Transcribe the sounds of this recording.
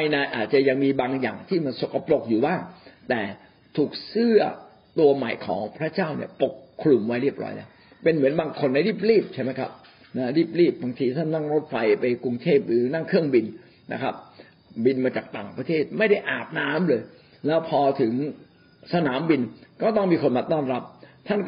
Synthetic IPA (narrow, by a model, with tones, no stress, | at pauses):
a˧jna˧jʔa̰ː˨˩t̪̚t͡ɕa˨˩ja˧ŋmiː˧baː˧ŋja̰ː˨˩ŋt̪ʰiː˥˩ma˧nso˨˩ka˧˩plo˨˩k̚juː˨˩baː˥˩ŋt̪ɛː˨˩ | t̪ʰuː˨˩k̚sɯ˥˩ɐ | t̪u˧ɐma˨˩jkʰɔ̰ː˩˦ŋpʰɾa˦˥t͡ɕaː˥˩wnḭ˥˩ɐpo˨˩kʰːlu˧mwa˦˥jɾi˥˩əp̚ɾɔ̰ː˦˥jlɛ̰ː˦˥˩w | pe˧nmɯ˩˦ənbaː˧ŋkʰo˧nːa˧jɾiː˥˩p̚ɾiː˥˩p̚t͡ɕʰa˥˩ma˦˥jkʰa̰˦˥p̚ | na˦˥ɾiː˥˩p̚ɾiː˥˩p̚baː˧ŋt̪ʰiː˧t̪ʰa˥˩nːa˥˩ŋɾo˦˥t̪̚fa˧jpa˧jku˧ŋt̪ʰeː˥˩p̚ɾɯː˨˩˦na˥˩ŋkʰɯ˥˩əŋbi˧n | na̰˦˥kʰa̰˦˥p̚ | bi˧nmaː˧t͡ɕaː˨˩k̚t̪a̰ː˨˩ŋpɾa˧t̪ʰeː˥˩t̪̚ma˥˩jda˥˩jʔaː˨˩p̚naː˦˥mlɤː˧j | lɛː˦˥wpʰɔː˧t̪ʰɯ˩˦ŋ | sa˧naː˩˦mbi˧nkɔː˥˩t̪ɔ˥˩ŋmiː˧kʰo˧nmaː˧t̪ɔː˥˩nɾa˦˥p̚t̪ʰa˥˩nk